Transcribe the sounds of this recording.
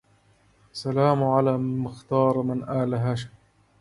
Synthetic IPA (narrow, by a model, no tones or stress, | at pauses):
salaːmʊʕalaːmɪxt̪ɑːɾˤmɪnʔaːlaɦaːʃaj